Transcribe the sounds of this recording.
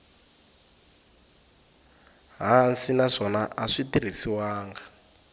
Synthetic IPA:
ɦansinaʂɔnaʔaʂitiɾ̤isiwaːŋɡa

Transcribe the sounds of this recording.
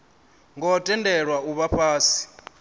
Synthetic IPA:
ŋɡɔtʼɛndɛɺwauβaɸʰaːsi̥

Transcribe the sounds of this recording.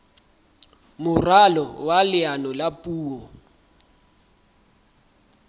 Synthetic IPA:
mʊralɔwalɪanɔlapʼuːɔ

